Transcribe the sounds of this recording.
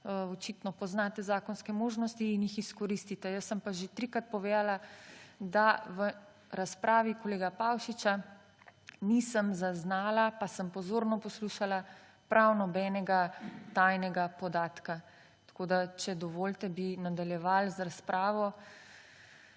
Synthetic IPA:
ɔt͡ʃit̪nɔpɔznat̪ɛzaːkɔnskɛmoːʒnɔst̪iːnjixiskɔɾiːst̪it̪ɛjəsːəmpaʒet̪ɾikɾat̪̚pɔʋeːd̪alad̪aʋə | ɾaspɾʔaːʋikɔleːɡapawʃit͡ʃa | nisəmzaznaːlapasəmpɔzoːɾnɔpɔsluːʃala | pɾʔawnɔbɛnɛɡat̪ajnɛɡapɔd̪aːt̪ka | t̪ḁkoːd̪at͡ʃɛd̪ɔʋoːlt̪ɛbinad̪aljɛʋalzɾaspɾaːʋɔ

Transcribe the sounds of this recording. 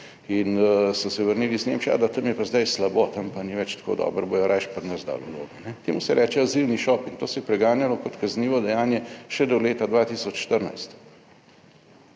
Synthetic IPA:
insɔsɛʋəɾniːlizneːmt͡ʃja̰d̪at̪əmjɛpazd̪ajslabot̪ɐmpaniʋɛt͡ʃt̪kʰo̰ːd̪ɔ̰ːbəɾbojɔɾʔajʃpɐɾnəzd̪a̰ːlɔlo̰ːɡɔnɛt̪eːmusɛɾʔɛːt͡ʃɛaziwniʃɔpint̪oːsɛjɛpɾɛɡaːnjalɔkɔt̪kazniːʋɔd̪ɛjaːnjɛʃɛd̪ɔleːt̪ad̪ʋaːt̪iːsɔt͡ʃʃt̪əɾna̰jst̪

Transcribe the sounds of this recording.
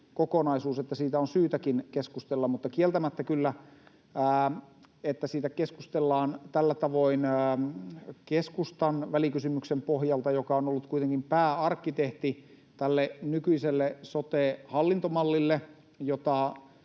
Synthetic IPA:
kokonɑisuːset̪ːæsiːt̪æonsyːt̪ækinkeskust̪elːɑmmut̪ːɑkielt̪æmæt̪ːækylːæ | æː | et̪ːæsiːt̪ækeskust̪elːɑːnt̪ælːæt̪ɑʋoinː | keskust̪ɑnʋælikysymyksempohjɑlt̪ɑjokɑonolːut̪kuit̪eŋkimpæːɑrkːit̪eht̪i | t̪ælːenykyiselːesot̪eːhɑlːint̪omɑlːilːe | jot̪ɑ

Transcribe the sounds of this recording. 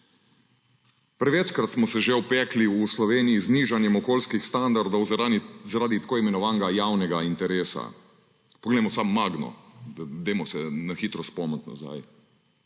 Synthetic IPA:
pɾɛʋɛt͡ʃkɾat̪smɔsɛʒewpɛːkliuslɔʋeːnijizniːʒanjɛmɔkoːlskixst̪and̪aɾd̪owzaɾaːd̪it̪ḁkoːimɛnɔʋaːnɡajawnɛɡaint̪ɛɾeːsa̰ | pɔɡleːmɔsamːaɡnɔ̰d̪eːmɔsɛnaxiːt̪ɾɔspɔmət̪na̰za̰j

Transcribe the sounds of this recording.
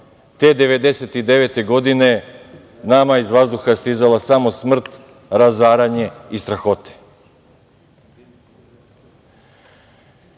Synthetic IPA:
t̪e̞ːd̪e̞ʋe̞d̪e̞set̪id̪e̞ʋe̞t̪e̞ɡo̞d̪ine̞ | namaizʋazd̪uxast̪izalasamo̞smr̩t̪ | ɾazaːɾaɲe̞ist̪ɾaxo̞t̪e̥

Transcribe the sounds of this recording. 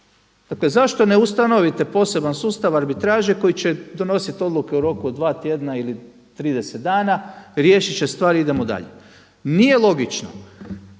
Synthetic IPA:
d̪̥akle̞zaʃt̪o̞ne̞ust̪ano̞ʋit̪e̞po̞ːse̞bansuːst̪aʋaɾbit̪ɾaːʒeko̞jit͡ɕe̞d̪o̞no̞sit̪o̞d̪lˠuke̞uɾo̞kuod̪d̪ʋaːt̪je̞d̪naili | t̪ɾiːd̪e̞set̪̚d̪aːnaɾjeːʃit͡ʃest̪ʋaːɾiid̪e̞mod̪a̰ʎe̞ | nije̞lˠo̞ɡit͡ʃno̰

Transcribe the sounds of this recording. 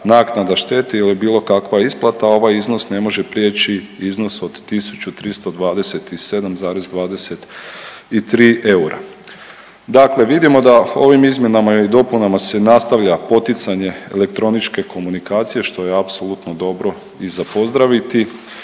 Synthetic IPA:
naknad̪aʃt̪e̞ːt̪eilibiːlˠo̞kakʋajeisplˠat̪ao̞ʋajizno̞sne̞mo̞ʒe̞pɾje̞ːt͡ʃiizno̞so̞d̪ːisu̥t͡ʃut̪ɾist̪o̞d̪ʋaːd̪e̞se̞t̪ise̞d̪amzaːɾezd̪ʋaːd̪e̞se̞t̪it̪ɾiːʔe̞uɾa̰ | d̪akle̞ʋid̪imo̞d̪ao̞ʋimizmje̞namaid̪o̞punamase̞nast̪aʋʎapo̞t̪it̪saɲe̞ḛle̞kt̪ɾo̞nit͡ʃke̞ko̞munikaːt̪sije̞ʃt̪o̞jeapsolˠut̪no̞d̪o̞bɾo̞ | izapo̞zd̪ɾaʋit̪i

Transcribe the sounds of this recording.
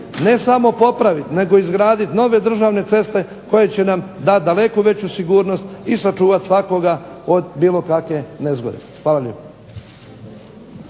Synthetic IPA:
ne̞samo̞po̞pɾaʋit̪ne̞ɡo̞izɡɾaːd̪it̪no̞ʋe̞d̪r̩ʒaʋne̞t̪se̞st̪e̞ | ko̞jet͡ɕe̞namd̪at̪̚d̪ale̞kuʋe̞t͡ɕusiɡuːɾno̞st̪isat͡ʃuːʋat̪sʋako̞ɡao̞d̪biːlo̞kakʋe̞nezɡo̞d̪ḛ | xʋaːlaʎḛpa

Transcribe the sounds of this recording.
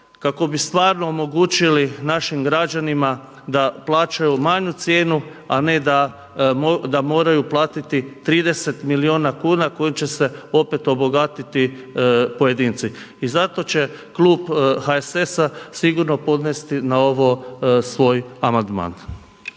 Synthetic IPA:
kako̞bist̪ʋaːɾno̞omo̞ɡuːt͡ʃilinaʃimɡɾad͡ʒanima | d̪aplˠaːt͡ʃajumaɲut̪sjeːnu | ane̞d̪a | d̪amo̞ːɾajuplˠaːt̪it̪it̪ɾiːd̪e̞se̞t̪milioːnakuːnako̞jimt͡ɕe̞se̞o̞pe̞t̪o̞bo̞ɡat̪it̪i | poje̞d̪iːnt̪siː | zat̪o̞t͡ɕe̞klˠuːbxaese̞sasiɡuɾno̞po̞d̪nest̪inao̞ʋosʋo̞ːjamand̪ma̰ːn

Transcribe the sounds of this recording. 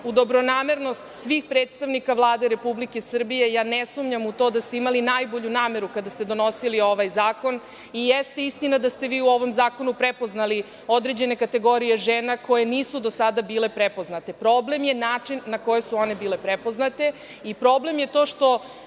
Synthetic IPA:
ud̪o̞bɾo̞naːmeɾno̞st̪sʋiːxpɾeːt̪st̪aʋnikaʋlˠaːd̪eɾe̞publike̞sr̩bije̞jaːnesumɲamut̪o̞ːd̪ast̪eimalinajbo̞ʎunaːme̞ɾukad̪ast̪ed̪o̞no̞silio̞ʋajzaːko̞n | ijest̪e̞ist̪inad̪ast̪e̞ʋiːuo̞ʋo̞mzaːko̞nupɾepo̞znali | od̪ɾe̞d͡ʑe̞ne̞kat̪e̞ɡo̞ɾijeʒeːnako̞je̞niːsud̪o̞sad̪abiːle̞pɾepo̞znat̪e̞pɾo̞ble̞mjenaːt͡ʂinːako̞jesuo̞ne̞biːle̞pɾepo̞znat̪e̞ | ipɾo̞ble̞mje̞t̪o̞ːʃt̪o̞

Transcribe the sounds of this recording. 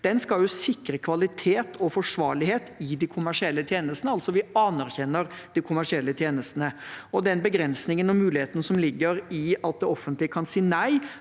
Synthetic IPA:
d̪̥ɛnskɑljʊsɪkːɾəkʰʋɑlɪt̪ʰeːt̪ʰɔfɔʂʋɑːɭɪheːt̪ɪd̪ikʰʊmæʂɪɛlːət̪ʰjeːnəst̪nəɑlt̪sɔʋɪɑnæɾçɛnːəɾ | d̪̥ikʰʊmæʂɪɛlːət̪ʰjeːnəst̪ənəɔd̪ɛnbəɡɾɛnsnɪŋənɔmʉːlɪheːt̪nsɔmlɪɡːəɾɪɑt̪̚d̪ɛɔfːənt̪lɪəkʰɑnsiːnæɪ

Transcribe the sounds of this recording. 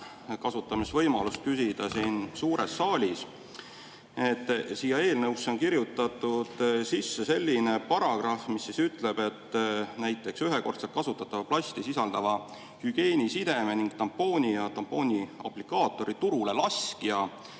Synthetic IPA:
kɑsut̪ːˑɑmisvɤ̞jmɑlust̪̚kysid̪̥ɑsinsuːɾesːɑːlʲis | et̪ːˑsijɑe̞ːlnɤwsːo̞nkiɾjut̪ːˑɑt̪ːˑud̪̥sisːe̞se̞lʲːine̞pɑɾɑɡ̥rɑfmisːisyt̪ːˑle̞b̥e̞t̪ːnæjt̪ːˑe̞ksyɦeko̞rt̪set̪kɑsut̪ːˑɑt̪ːˑɑvɑplɑst̪isisɑld̪̥ɑvɑ | hyɡ̥e̞ːnʲisid̪̥e̞meniŋɡ̥̚t̪ɑmpːo̞ːnʲijɑt̪ɑmpːˑo̞ːnʲiɑ̰plikˑɑːt̪ːˑo̞ɾit̪uɾule̞lɑskiɑ

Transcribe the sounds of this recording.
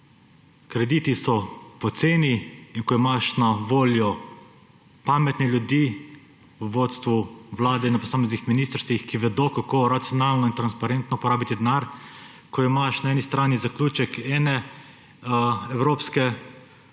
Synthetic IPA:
kɾɛd̪it̪isɔpɔt̪seːniinkɔimaʃnaʋoːljɔ | paːmɛt̪nɛljud̪iː | uʋoːt̪st̪ʋuʋlaːd̪ɛinːapɔsaːmeznixminist̪əɾst̪ʋixkiʋɛd̪okakoɾat̪sijɔnaːlnɔint̪ɾanspaɾɛnt̪nɔpɔɾaːbit̪id̪naɾ | kɔimaʃnaɛːnist̪ɾaːnizaklʲuːt͡ʃɛkɛːnɛ | ɛwɾoːpskɛ

